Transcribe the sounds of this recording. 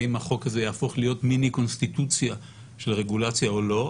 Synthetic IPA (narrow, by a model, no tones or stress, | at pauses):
imhaχo̞kazejaːfo̞χlijo̞tminiko̞nst̪it̪ut͡sja | ʃe̞lʁe̞ɡulat͡sjaolo̞